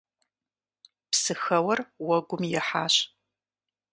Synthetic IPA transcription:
psɨxɐwɐrwɐɡʷʊmjɛħaːɕ

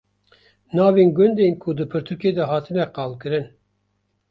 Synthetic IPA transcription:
nɑːviŋɡʲønd̪enkʰud̪ɨpʰɨɾt̪ʰuɾkʲʰed̪ɛɦɑːt̪ʰɨnɛqɑlˠkʰɨɾɪn

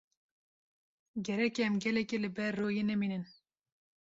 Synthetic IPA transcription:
ɡɛɾɛkeɛmɡɛlɛkelɨbɛɾːoːjeːnɛmiːnɨn

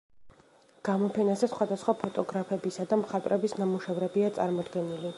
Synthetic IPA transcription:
ɡ̥amɔpʰɛnazɛsχwad̪asχwapʰɔt̪ʼɔɡɾapʰɛbisad̪amχat̪ʼɾɛbisnamuʃɛvɾɛbiat̪sʼa̰ɾmɔd̪ɡɛnili

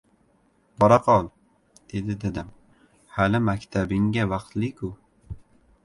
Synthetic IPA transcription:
b̥ɒɾaqʰɒlˠ | d̪̥e̞d̪ɪd̪ad̪ɪm | halɪmakʲt̪ʰabɪŋɡʲavɑq̚t̪lɪkʰʊ

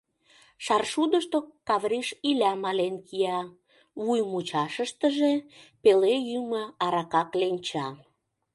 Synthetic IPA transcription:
ʃɑrʃud̪əʃt̪okɑβrʲiʃilʲæmɑlenkʰijɑ | βujmut͡ɕɑʃəʃt̪əʒepelejyməɑɾɑkɑklenʲt͡ɕɑ

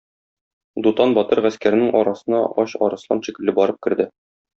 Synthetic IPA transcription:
d̪ut̪ɑnbɒt̪ɤɾʁæskæɾɘ̆nɘŋʔɒɾɑsɤ̆nɑʔɒɕɒ̰ɾɤ̆slˠɑ̰nɕikɘ̆lːɘbɒɾɤp̚kɘ̆ɾd̪ɘ

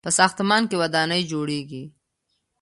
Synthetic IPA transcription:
pəsɑːxt̪mɑnkewɐd̪ɑnəjd͡ʒoɽeɡi

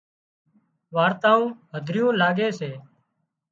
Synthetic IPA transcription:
ʋaːɾt̪ãːũːɦəd̪ʱɾɪjõːlaːɡeːseː

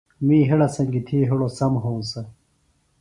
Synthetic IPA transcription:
mĩːɦeɽɐsɐ̃ŋɡit̪ʰiːɦuɽosɐmɦõːsɐ

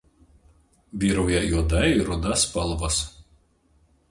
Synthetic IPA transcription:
bʲiːɾɐʊjɛjud̪ɐiɾʊd̪ɐspɐlˠʋɐs

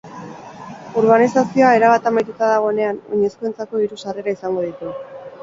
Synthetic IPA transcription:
oɾβ̞anisasio̞ae̞ɾaβ̞at̪amajt̪ut̪aðaɣ̞o̞ene̞ano̞̰ɲe̞skue̞nt͡sako̞iɾusare̞ɾaisaŋɡo̞ð̞it̪u

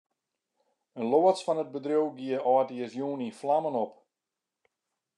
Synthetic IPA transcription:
ənloəsfɔnəd̚bədrjowɡiəɔːtiəsjuːniflamənɔp

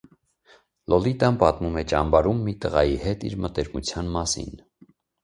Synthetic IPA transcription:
lʔɔlit̪ɑmpɑt̪mumɛt͡ʃɑmbɑɾumːit̪əʁɑjihɛt̪ḭɾmət̪ɛɾmut͡sʰjɑnmɑsḭn

